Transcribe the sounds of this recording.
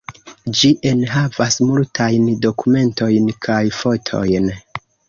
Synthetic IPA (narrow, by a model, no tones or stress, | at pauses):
d͡ʒiʔe̞nɦavasmultʰajndo̞kume̞ntʰo̞jnkʰajfo̞tʰo̞̰jn